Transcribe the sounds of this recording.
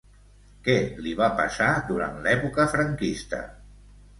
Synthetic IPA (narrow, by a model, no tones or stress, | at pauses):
kɛliβapa̰saðuɾa̰nt̪lɛpukəfɾəŋkist̪ə̰